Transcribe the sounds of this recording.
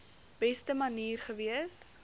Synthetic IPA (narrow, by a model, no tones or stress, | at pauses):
b̥ɛstəmɐniːrχəviəs